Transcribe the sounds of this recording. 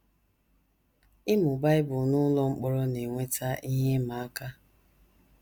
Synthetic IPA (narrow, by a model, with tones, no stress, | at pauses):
ɪ˦mʊ˨ba˦ɪ˦bʊ˨nʊ˦lɔ˦ŋ͡m̩˦k͡pɔ˦ɾɔ˦ne˨ŋʷe˦ta˦ʔi˦ɦe˦ma˨a˦ka˦